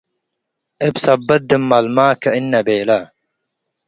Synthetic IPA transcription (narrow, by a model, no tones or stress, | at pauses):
ebsɐbːɐt̪̚d̪imːɐlmaːkɐinːɐbeːlɐ